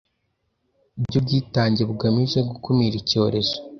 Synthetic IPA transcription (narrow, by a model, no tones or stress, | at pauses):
bɟub̚ɟiːtaːɲɟebuɡamiʒeɡukumiɾico̞ːɾe̞zo